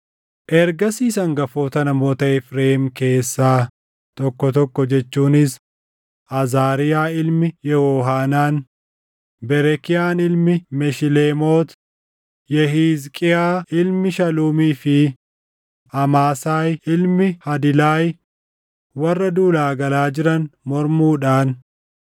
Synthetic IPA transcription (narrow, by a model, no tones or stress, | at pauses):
ʔɛɾɡɐsiːsɐŋɡɐfoːt̪ɐnɐmo̞ːt̪ɐɛfɾeːɪmke̞ːsːaː | t̪ɔkːɔt̪ɔkːɔd͡ʒɛt͡ʃːuːnɪs | ɐzaːɾɪjaːɪlmɪjɛwoːɦaːnaːn | bɛɾɛkɪjaːnɪlmɪmɛʃɪleːmoːt̪ | jɛɦiːzkʼɪaːɪlmɪʃɐluːmiːfɪ | ɐmaːsaːjɪlmɪhɐd̪ɪlaːj | wɐrːɐd̪uːlaːɡɐlaːd͡ʒɪɾɐnmɔɾmuːᶑaːn